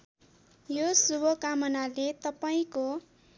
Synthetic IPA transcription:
josubʱʌkamʌnalet̪ʌpaĩko

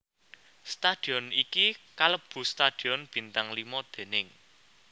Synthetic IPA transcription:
st̪ad̪̥i̤ɔnikikaləb̥ṳst̪ad̪̥i̤ɔnb̥i̤nt̪aŋlimɔd̪̥e̤nɪŋ

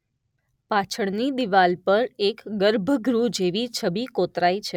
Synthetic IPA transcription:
pat͡ʃʰəɽnid̪iʋalpəɾekɡəɾbʱəɡɾud͡ʒeʋit͡ʃʰəbikot̪ɾait͡ʃʰe

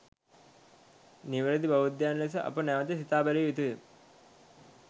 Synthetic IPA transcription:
niʋəɾəd̪ibɐʋud̪jaːnles̬əʔɐ̰pənɛʋət̪esit̪aːbɛliʋit̪uʋem

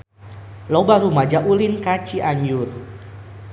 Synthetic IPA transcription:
lɔbaɾumad͡ʒaʔulinkat͡ʃiʔaɲd͡ʒʊr

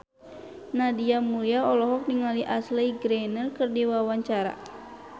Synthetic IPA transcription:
nadiamuliaɔlɔɦɔk̚niŋaliʔasleiɡɾɛnəlkɨrdiwawaɲt͡ʃaɾa̰

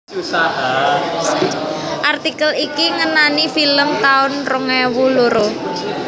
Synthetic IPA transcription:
a | ʔart̪ikəlikiŋənanifiləmt̪aʊnroŋɛwuloɾo

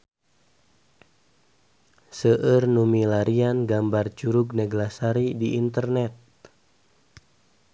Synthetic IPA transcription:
səʔərnumilaɾianɡambart͡ʃuɾuɡnɛɡlasaɾidiʔːnt̪ərnɛt̪̚

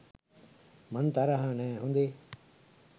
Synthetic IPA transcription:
mənt̪aɾaɦãːneːɦũːnd̪eː

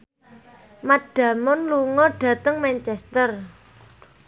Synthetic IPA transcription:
maɖ̥ä̤mʊnluŋɔɖ̥ä̤t̪əŋmaɲt͡ʃɛst̪ər

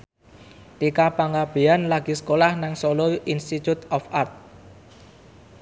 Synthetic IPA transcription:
t̪ikapaŋɡab̥e̤anlaɡ̥i̤skolahnaŋsoloinst̪it̪ut̪ɔfart̪̚

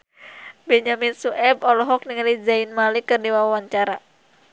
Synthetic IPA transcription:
bɛɲaminsuʔɛbɔlɔɦɔk̚niŋalid͡ʒainmalikɨrdiwawawaɲt͡ʃaɾa

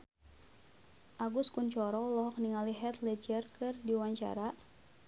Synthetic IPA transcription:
ʔaɡuskunt͡ʃɔɾɔlɔɦɔk̚niŋaliɦɛt̪lɛd͡ʒərkɨrdiwaɲt͡ʃa̰ɾa

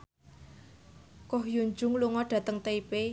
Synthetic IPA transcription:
kɔhjuɲd͡ʒʊŋluŋɔɖ̥ä̤t̪əŋt̪eipe

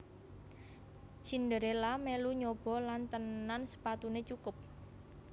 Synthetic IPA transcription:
t͡ʃind̪əɾelameluɲob̥ɔ̤lant̪ənːansə̥pat̪unet͡ʃukʊp̚

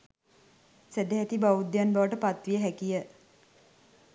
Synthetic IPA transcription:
sed̪eɦæt̪ibaʋud̪ːjanbaʋəʈəpat̪ʋijəɦɛkijə

